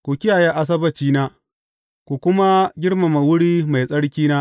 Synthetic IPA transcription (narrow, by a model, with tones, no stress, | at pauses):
kʷu˨kʲɪ˦jaː˨jaː˦ʔa˦s̬ɐ˦bɐ˨t͡ʃiː˦naː˦ | kʷu˨kʷʊ˦ma˦ɡʲɪ˦ɽma˨ma˨wʊ˦ɽiː˦ma˨jsʼɐ˦ɽkʲiː˦naː˦